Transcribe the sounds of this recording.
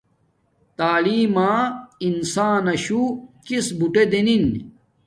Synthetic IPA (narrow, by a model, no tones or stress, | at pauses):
t̪aːliːmaːinsaːnɐɕukisbuʈed̪enin